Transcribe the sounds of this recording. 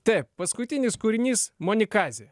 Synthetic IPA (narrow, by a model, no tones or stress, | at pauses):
t̪ɛɪppɐskʊt̪ʲɪnʲɪskʊɾʲɪnʲiːsmonʲɪkɑːzʲe